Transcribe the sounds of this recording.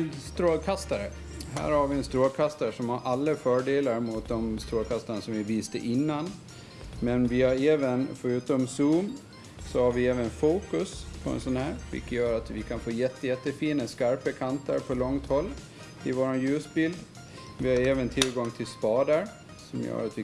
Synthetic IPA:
st̪ɾoːlkʰast̪aɾə | ɦæ̰ːɾhaɾvɪɛnst̪ɾoːlkʰast̪aɾʂɔmhaɾʔalːəfœːɖeːlaɾmʊt̪̚d̪ɔmst̪ɾoːlkʰast̪aɳasɔmvɪviːst̪ə̰ʔɪnːan | mɛnvɪhaɾeːvənfœɾʉ̟ːt̪ɔmsuːm | sɔhaɾvɪɛːvənfuːkɵspʰɔɛ̰nsɔnhæːɾvɪ̰lkːəjœːɾat̪vɪkʰanfoːjɛt̪ːəjɛt̪ːəfiːnəskaɾpəkʰant̪ʰə̰ɾpʰɔlɔŋt̪hɔlː | ɪvoːɾanjʉ̟ːsbɪld̪ | vɪhaɾeːvənt̪ʰɪlɡɔŋt̪ʰɪlspɑːd̪əɾ | sɔmjœ̰ːɾat̪vɪ

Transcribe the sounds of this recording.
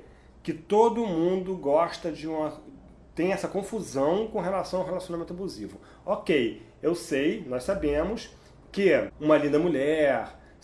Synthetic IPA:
kɪt̪od̪ʊmũnd̪ʊɡɔʃt̪ɐd͡ʒɪũmɐ | t̪ẽj̃ɛsɐkõfuzɐ̃w̃kõɦelasɐ̃w̃awɦelasjonamẽt̪ʊabuzivʊ | okej | ewsejnɔjsabẽmʊs | kɪũmɐlĩnd̪ɐmulɛɾ

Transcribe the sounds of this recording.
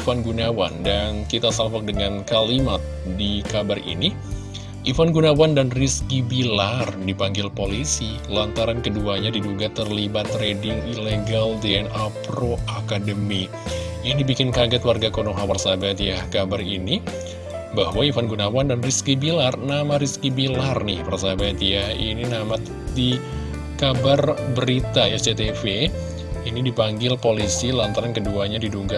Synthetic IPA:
fanɡunawa̰ndankit̪asamfɔk̚dəŋankalimat̪̚dikabarḭni | ʔifanɡunawandanriskibilardipaŋɡɪlpolisi | lant̪aɾankəduaɲadiduɡat̪ərlibat̪ɾedɪŋileɡaldeɛnapɾoakadəmi | inibikɪnkaɡat̪warɡakonoɦapərsabat̪jakabarini | bahwaifanɡunawandanriskibilarnamaɾiskibilarnɪhpərsabat̪jahḭninamat̪ | di | kabarbəɾit̪aɛsdet̪efe | inidipaŋɡɪlpolisilant̪aɾankəduaɲadiduɡa

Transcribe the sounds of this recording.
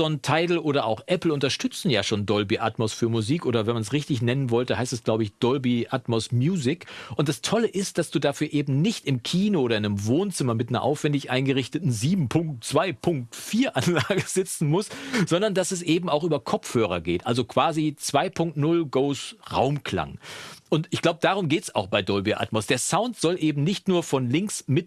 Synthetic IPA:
ɔntʰaɪtl̩ʔoːɾɐʔaʊxʔɛpl̩ʊntɐʃtʏt͡sn̩jaːʃoːndɔlbiʔa̰tmosfyːɐmuziːkʔoːɾɐvɛnmansʁɪçtɪçnɛnənvɔltəhaɪstɛslaʊbəɪçd̥ɔlbiʔatmosmjuːzɪkʔʊntd̥astʰɔləʔɪst̚d̥asd̥uːdafyːɐʔeːbm̩nɪçtɪmkʰiːnoʔoːɾɐɪnəmvoːnt͡sɪmɐmɪtnɐ̰ʔa̰ʊfv̥ɛndɪçʔaɪnɡəʁɪçtətn̩ziːbm̩pʰʊŋk̚tt͡sv̥aɪpʰʊŋk̚tfiːɐʔanlaːɡəzɪt͡sn̩mʊstz̥ɔndɐndasɛs̬ʔeːbm̩aʊxʔyːbɐkʰɔp͡fhøːʁ̞ɐ̰ɡeːtʔalzokv̥aːzit͡sv̥aɪpʰʊŋk̚tnʊlɡoʊsʁa̰ʊmkʰla̰ŋʔʊntɪçɡ̥laʊbədaːʁ̞ʊmɡeːtsa̰ʊxb̥aɪdɔlbiʔa̰tmɔsd̥eːɐsaʊntz̥ɔlʔeːbm̩nɪçtnuːɐfɔnlɪŋksmɪt

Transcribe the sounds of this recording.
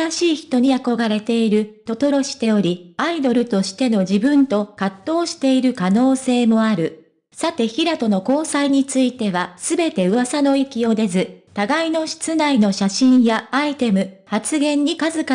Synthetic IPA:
aɕiːçi̥t̪o̞ɲ̟iako̞ɡaɾe̞t̪e̞iɾɯ̟t̪o̞t̪o̞ɾo̞ɕi̥t̪e̞o̞ɾʲiaid̪o̞ɾɯ̟t̪o̞ɕi̥t̪e̞no̞ʑibɯ̟̃nt̪o̞kat̪ːo̞ːɕi̥t̪e̞iɾɯ̟kano̞ːse̞ːmo̞aɾɯ̟ | sat̪e̞çiɾat̪o̞no̞ko̞ːsaiɲ̟it͡sɨit̪e̞βasɨbe̞t̪e̞ɯ̟βasano̞ikʲio̞d̪e̞zɨt̪aɡaino̞ɕi̥t͡sɨnaino̞ɕaɕĩɰ̃jaːit̪e̞mɯ̟hat͡sɨɡẽ̞ɲ̟ːikazɨka

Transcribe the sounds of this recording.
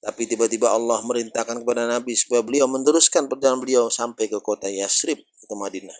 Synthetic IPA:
t̪apit̪ibat̪ibaɑlːɑhməɾint̪akankəpadanabisə̥pajabəliawmənd̪əɾuskanpərdananbəliawsampajkəkot̪ajasɾɪp̚kot̪amadina

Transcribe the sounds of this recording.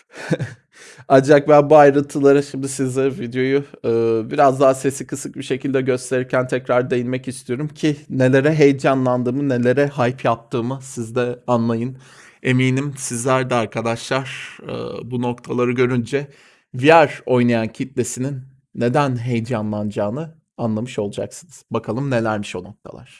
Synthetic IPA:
and͡ʒak̚bænbuajɾɯnt̪ʰɯlˠaɾɯʃimd̪isizɛvid̪jo̞juɯːbiɾazd̪aɦase̞sikʰɯsɯk̚biʃe̞cʰilʲd̪ɛɟø̞st̪ʰe̞ɾiɾcʰænt̪ʰɛcɾaɾd̪e̞jinmɛcist̪ʰijo̞ɾumcʰine̞lʲe̞ɾɛɦe̞jd͡ʒanlˠand̪ɯːmɯne̞lʲe̞ɾɛɦajpjap̚t̪ʰɯːmɯsizd̪ɛanlˠajɯn | e̞miːnimsizlʲæɾd̪ɛaɾkʰad̪aʃlˠaɾ̥ɯ̰buno̞kt̪ʰalˠaɾɯɟø̞ɾynd͡ʒɛ | vijæɾo̞jnajancʰit̪le̞sininː | e̞d̪ænɦe̞jd͡ʒanlˠand͡ʒaːnɯ | anlˠamɯʃo̞lˠud͡ʒa̰ksɯnɯz̥bakʰalˠɯmne̞lʲæɾmiʃo̞no̞k̚t̪ʰa̰lˠa̰ɾ̥

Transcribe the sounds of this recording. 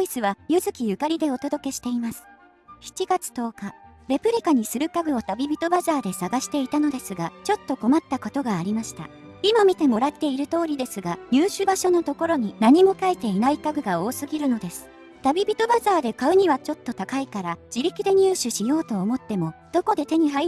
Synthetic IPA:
oisɨβajɯ̟zɨkʲijɯ̟kaɾʲid̪e̞o̞t̪od̪o̞ke̞ɕi̥t̪e̞imasɨ̥ | çi̥t͡ɕiɡat͡sɨ̥t̪o̞ːkaɾe̞pɯ̟ɾʲikaɲ̟isɨɾɯ̟kaɡɯ̟o̞t̪abʲibʲit̪o̞bazaːd̪e̞saɡaɕi̥t̪e̞it̪ano̞d̪e̞sɨɡat͡ɕo̞t̪ːo̞ko̞mat̪ːako̞t̪o̞ɡaːɾʲimaɕi̥t̪a̰ | imamʲit̪e̞mo̞ɾat̪ːe̞iɾɯ̟t̪o̞ːɾʲid̪e̞sɨɡaɲ̟ɨːɕɨbaɕo̞no̞t̪o̞ko̞ɾo̞ɲ̟inaɲ̟imo̞kait̪e̞inaikaɡɯ̟ɡao̞ːsɨɡʲiɾɯ̟no̞d̪e̞sɨ̥ | t̪abʲibʲit̪o̞bazaːd̪e̞kaɯ̟ɲ̟iβ̞at͡ɕo̞t̪ːo̞t̪akaikaɾad͡ʑiɾʲikʲid̪e̞ɲ̟ʲɨːɕɨɕijo̞ːt̪oːmo̞t̪ːe̞mo̞d̪̥o̞ko̞d̪e̞t̪e̞ɲ̟iɦai

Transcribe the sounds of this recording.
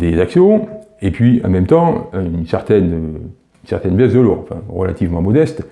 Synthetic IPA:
d̪ezaksjɔ̃epɥiɑ̰̃mɛmt̪ɑ̃ynsɛʁt̪ɛnø | ynsɛʁt̪ɛnbjɛsd̪əluʁɑ̰̃fɛ̰̃ʁəlat̪ivmɑ̃mɔd̪ɛst̪

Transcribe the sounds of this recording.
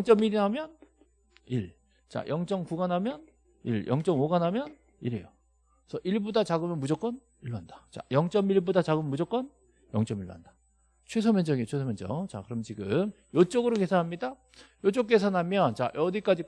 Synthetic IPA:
ʌŋt͡ɕ͈ʌmiɾinɦamjʌn | iɭ | t͡ɕa̰jʌŋt͡ɕ͈ʌŋkuɡanɦamjʌn | ḭɭjʔʌŋt͡ɕ͈ʌŋoɡanɦamjʌn | iɾḛjo | sʰʌʔiɭbudat͡ɕaɡɯmjʌnmud͡ʑʌk͈ʌn | iɭːoand̥ḁt͡ɕa̰jʌŋt͡ɕ͈ʌmiɭbodat͡ɕaɡɯmnmud͡ʑʌk͈ʌn | jʌŋt͡ɕ͈ʌmiɭːo̰ɦandḁ | t͡ɕʰwes̬ʰʌmjend͡ʑʌɡit͡ɕʰwesʰʌmend͡ʑʌ̰t͡ɕa̰kɯɾʌmʌnt͡ɕiɡɯm | jot͡ɕ͈ʌɡɯɾokesʰanɦamɲida | jot͡ɕ͈ʌk͈e̞sʰanɦamjʌnt͡ɕa̰ʔʌdik͈ad͡ʑi

